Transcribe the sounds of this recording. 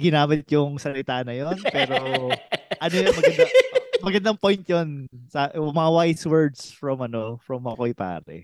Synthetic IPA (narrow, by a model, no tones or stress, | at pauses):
ɡɪnaːmɪt̪jʊŋsɐlɪt̪anɐjonpɛːɾoʔɐnojŋmɐɐnd̪amɐɡɐnd̪ɐŋpojnt̪jonsɐmɐŋawajswɛɹd̪sfɹɐmɐnofɹɐmːɐkojpa̰ːɾɛ̰